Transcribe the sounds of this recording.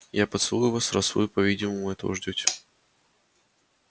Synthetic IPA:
japət̪sɨlˠujʊvasɾɐsṵjʊpɐvʲidʲɪməmʊɛt̪ə̰və̰ʐdʲotʲ

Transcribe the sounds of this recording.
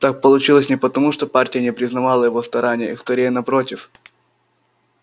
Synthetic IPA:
t̪ak̚pəlˠʊt͡ɕilˠəsʲnʲɪpət̪ɐmuʂt̪o̞partʲɪjənʲɪpɾʲɪznɐvalˠəjɪvost̪ɐɾanʲɪjə̰ixskɐɾʲejənɐpɾotʲɪf

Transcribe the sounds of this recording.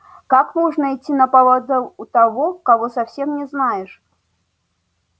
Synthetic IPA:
kakmɔʐnɐit͡sʲːinɐpalˠad̪ɐut̪avɔkavɔsawsʲɛmnʲɛznajɛʂ

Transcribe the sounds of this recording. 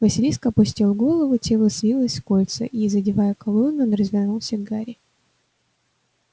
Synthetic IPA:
vəsʲɪlʲiskəɐpʊsʲtʲilˠɡo̞lˠəvʊtʲelˠəsʲlʲilˠəsʲfkolʲt̪sə̰ʔizədʲɪvajəkɐlˠonːʊnɾəzvʲɪrnulˠsʲəɡaɾʲɪ

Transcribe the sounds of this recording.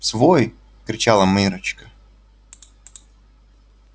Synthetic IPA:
svoj | kɾʲɪt͡ɕalˠəmɨɾət͡ɕkə̥

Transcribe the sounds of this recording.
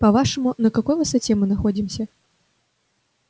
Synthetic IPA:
pɐvaʂɐmunɐkakɔjvɐsɐt͡sʲɛmɨnaxɔd͡zʲimsʲɐ

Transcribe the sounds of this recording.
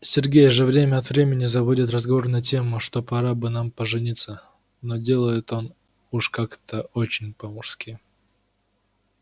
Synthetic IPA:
sʲɪrɡʲejʐəvɾʲemʲəɐt̪vɾʲemʲɪnʲɪzɐbudʲɪt̪rəzɡɐvo̞rnɐtʲe̞mʊʂt̪o̞pɐɾabɨnampəʐɨnʲit̪sə | no̞dʲe̞lˠəjɪt̪o̞n | uʂkakt̪ʰəot͡ɕɪnʲpəmʊʂskʲi

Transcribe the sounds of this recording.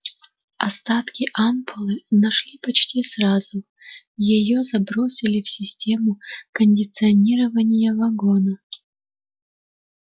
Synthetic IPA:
ɐst̪at̪kʲɪʔampʰʊlˠɨnɐʂlʲipɐt͡ɕtʲisɾazʊ | jɪjozɐbɾo̞sʲɪlʲɪfsʲɪsʲtʲe̞mʊkənʲdʲɪt̪sɨɐnʲiɾəvənʲɪjəvɐɡo̞nə

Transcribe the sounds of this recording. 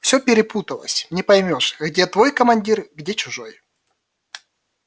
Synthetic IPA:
fsʲɵpʲɪɾʲɪput̪əlˠə̰sʲnʲɪpɐjmʲo̞ʂɣdʲet̪vo̞jkəmɐnʲdʲirɣdʲet͡ɕʊʐo̞j

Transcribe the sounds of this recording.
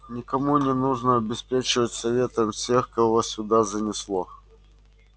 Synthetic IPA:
nʲɪkɐmunʲɪnuʐnəɐbʲɪspʲet͡ɕɪvətʲsɐvʲe̞t̪əmfsʲe̞xkɐvosʲʊd̪azənʲɪslˠo

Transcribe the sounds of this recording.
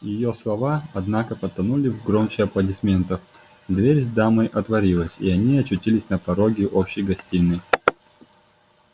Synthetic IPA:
jɪjoslˠɐvaɐd̪nakəpɐt̪ːɐnulʲɪvɡɾomt͡ɕɪɐplˠədʲɪsmʲe̞nt̪əf | d̪vʲeɾʲzd̪amɨjʔɐt̪vɐɾʲilˠəsʲḭɐnʲiɐt͡ɕʊtʲilʲɪsʲnəpɐɾoɡʲɪʔopɕːɪjɡɐsʲtʲinːɨ

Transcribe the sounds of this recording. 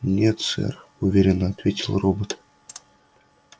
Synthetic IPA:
nʲet̪sɛ̰r | uvʲeɾʲɪnəɐt̪vʲetʲɪlˠrobət̪

